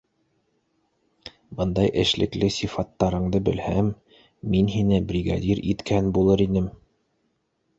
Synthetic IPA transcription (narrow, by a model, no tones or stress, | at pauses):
bɤnd̪ɑjʔɘ̰̆ʃlɘ̆klɘsʲifɑt̪ːɑɾɤ̆ɴd̪ɤbɘ̆lhæmː | inɦinɘbrʲiɡa̰d̪ʲiɾit̪kʰænbulˠɤɾinɘm